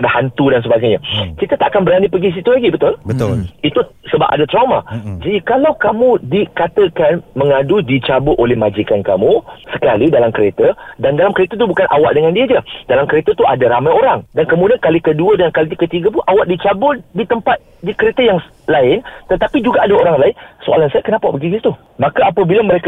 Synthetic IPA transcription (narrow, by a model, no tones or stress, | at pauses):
adahant̪udans̬əbaɡajɲakɾit̪ət̪aʔakanbəɾanipəɡis̬it̪ulaɡibət̪ʊləʊit̪usəba̰p̚ʔadat̪ɾawmad͡ʒadikalawkamũdikat̪əkanmə̃ŋadudit͡ʃabʊʔolɛhmad͡ʒikankamusəkalidalamkəɾet̪ədandalamkəɾet̪ət̪ubukanʔawaʔ̚dəŋãndiəd͡ʒədalamkəɾet̪ət̪ua̰daɾamajoɾaŋdankəmũdiankalikəduədəŋankalit̪kət̪iɡəp̬ʊnʔawaʔdit͡ʃabʊldit̪əmpat̪̚dikəɾet̪əjaŋ | laɪnt̪ət̪apid͡ʒuɡaʔadaoɾaŋlaɪnsoa̰lansakənapapəɡiɡit̪u | mãkaːpəbilamə̃ɾek